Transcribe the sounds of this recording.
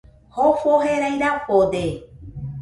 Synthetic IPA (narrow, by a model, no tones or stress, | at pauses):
hofoɦeɾajɾapod̪e